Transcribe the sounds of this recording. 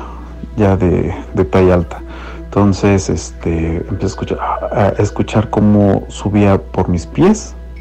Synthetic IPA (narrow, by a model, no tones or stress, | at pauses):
jaðḛd̪et̪ajalt̪ḁ | ent̪onsesest̪eempjeseskut͡ʃaaʔeskut͡ʃaɾkomo̰suβiapoɾmispjes